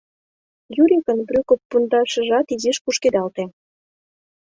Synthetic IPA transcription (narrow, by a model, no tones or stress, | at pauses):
juɾʲikə̆nbɾykopːund̪ɑʃə̆ʒɑt̪izeʃkuʃked̪ɑlt̪e